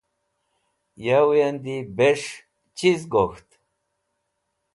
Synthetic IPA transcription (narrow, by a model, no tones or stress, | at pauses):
jawujand̪ibeʂ | t͡ɕizɡoxt̪